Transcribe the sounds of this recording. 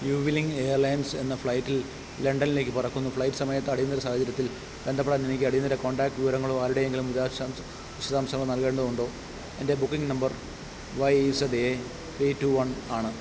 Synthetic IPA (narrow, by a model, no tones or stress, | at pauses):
juːʋiliŋɡe̞ːjɐrlɐjnse̞̰nːɐfɭɐjtːil | le̞ɳɖɐnile̞ːkːɨpɐrɐkːunːufɭɐjtːɨ̥sɐmɐjɐt̪ːeɐɽijunːɐɾɐsaːhɐt͡ɕːɐɾjɐt̪ːil | bend̪ɐpːeɽaːnenikʲːɨɐɽijunːiɾeko̞ːɳɖaːk̚ʈʋiʋɐɾɐŋːɐɭoːaːɾuɽe̞jeŋɡilumiða | ʋiɕɐðaːmsɐŋɐɭonɐlkeːɳɖɐðuɳɖo̞ː | e̞nde̞bukːiŋɡnɐmbɐr | ʋɐjisɐd̪ee | t̪rituʋɐɳaːɳɨ